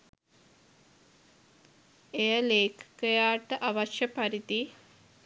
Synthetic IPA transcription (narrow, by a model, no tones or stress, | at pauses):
ejəleːkʰkɐjaːʈəʔɐʋɐʃjɐpɐɾit̪i